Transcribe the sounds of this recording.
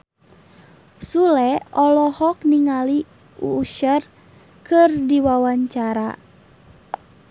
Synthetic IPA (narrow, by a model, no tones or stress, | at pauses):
sulɛɔlɔhɔk̚niŋali | ṵːʃər | kɨrdiwawaɲt͡ʃaɾa